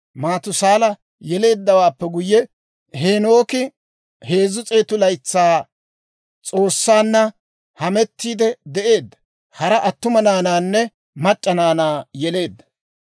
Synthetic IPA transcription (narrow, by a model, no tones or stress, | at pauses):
maːt̪ʊsaːlɐ | jɛle̞ːd̪ːɐwaːpːɛɡʊjːɛ | ɦeːno̞ːkɪ | he̞ːzːʊt͡sʼe̞ːt̪ʊlɐjt͡sːaː | t͡sʼo̞ːsːaːnːɐ | hɐmɛt̪ːiːd̪ɛd̪ɛʔe̞ːd̪ːɐ̥ | hɐɾɐʔɐt̪ːʊmɐnaːnaːnːɛ | mɐt͡ʃʼːɐnaːnaːjɛle̞ːd̪ːɐ̥